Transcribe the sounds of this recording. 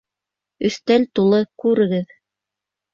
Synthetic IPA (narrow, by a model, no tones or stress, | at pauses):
ɵ̆θt̪ælt̪ulˠɤkʉɾɘ̆ɡɘð